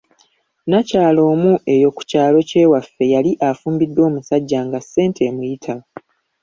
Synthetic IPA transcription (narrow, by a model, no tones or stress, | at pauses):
nacaːlo̞ːmuʔe̞jo̞ku̥caːlo̞ce̞ːwafːe̞jaliʔafuːmbidːo̞ːmusaɟːaːŋɡasːe̞ːntʰe̞mujitʰa